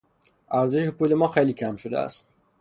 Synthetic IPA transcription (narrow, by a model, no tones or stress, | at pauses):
ʔæɾze̞ʃepʰuːle̞mɒːxejliːcʰæmʃod̪ḛæ̰st̪